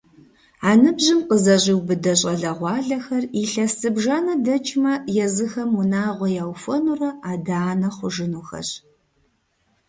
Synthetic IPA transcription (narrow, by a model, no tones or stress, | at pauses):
aːnɨbʑɪmqəzɐɕiwbɨdɐɕʼɐɮɐʁʷɑːɮɐxɐriɬɐsɨbʒaːnɐdɐt͡ʃʼʰmɐjɛzɨxɐmunaːʁʷɔjaːwfɐnurɐaːdaːnɐχʷʊʒɪnuxɐ̰ɕ